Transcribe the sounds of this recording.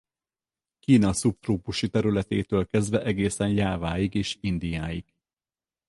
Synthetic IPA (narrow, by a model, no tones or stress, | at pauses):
kiːnɒsup̚t̪roːpuʃit̪ɛɾylɛt̪ḛːt̪øːlkɛzd̪vɛʔɛɡeːsɛnjaːvaːjiɡeːʃind̪ijaːjiɡ